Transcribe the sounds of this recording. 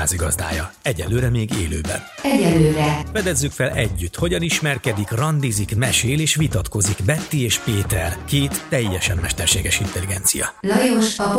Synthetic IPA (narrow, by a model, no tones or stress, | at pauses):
aːziɡɒzd̪a̰ːjɒɛɟɛnløːɾɛmeːɡḛːlø̰ːbɛ̰nɛɟɛllːøːɾɛfɛd̪ɛzːykfɛlɛɟːyt̪ho̞ɟɒniʃmɛrkɛd̪ikrɒnd̪izikmɛʃeːleːʃʋit̪ɒt̪ko̞zikbɛt̪ːieːʃpeːt̪ɛrkeːt̪ːɛjːɛʃɛmːɛʃt̪ɛrʃeːɡɛʃint̪ɛliɡɛnt̪sijɒ̰lɒjoʃɒp